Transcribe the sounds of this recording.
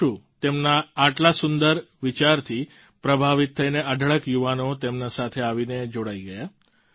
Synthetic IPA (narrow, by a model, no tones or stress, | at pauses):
ũt̪emnaːʈlasʊnd̪əɾʋit͡ʃaɾt̪ʰi | pɾəbʱaʋit̪ʰːəineʔəɖʱəɭəkjuʋanot̪emnasat̪ʰeaʋined͡ʒoɽaiɡəja